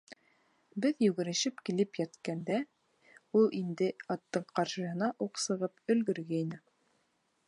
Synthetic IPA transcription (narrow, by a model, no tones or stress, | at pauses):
bɘðjɵ̆ɡɘ̆ɾɘ̆ʃɘpkilɘpjæt̪kænd̪æ | ulˠind̪ɘɑt̪ːɤɴqɑɾʃɤ̆ɤ̆ɦɤ̆nɑʔuqsɤ̆ʁɤpɵ̆lɡɵ̆ɾɡæinɘ